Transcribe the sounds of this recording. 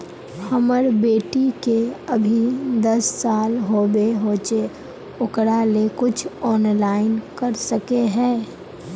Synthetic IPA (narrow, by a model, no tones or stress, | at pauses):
hɐməɾbeːʈikeɐbʱid̪ɐsːaːlɦoːbeɦoːt͡ʃe | ʊkɽalekʊt͡ʃʰɔːnlaːɪnkɐɾsɐkeɦɛ̃ː